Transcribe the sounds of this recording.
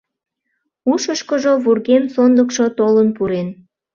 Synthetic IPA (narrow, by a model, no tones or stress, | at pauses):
uʃəʃkəʒoβurɣemsond̪əkʃot̪olənpuɾen